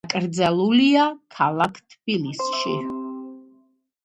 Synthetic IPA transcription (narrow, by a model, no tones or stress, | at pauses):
kʼɾd̪zalˠuliakʰalˠakʰt̪ʰb̥ilisʃḭ